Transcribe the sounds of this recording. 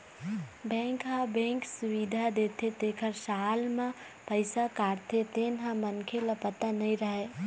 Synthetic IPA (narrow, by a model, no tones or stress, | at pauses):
bɛ̃ːŋkɦãbɛ̃ːŋksʊʋid̪ʱad̪eːt̪ʰet̪eːkʰəɾsaːlmã | pəɪsakaːɾt̪ʰet̪eːnɦãmənkʰeləpət̪anɐĩɾəɦe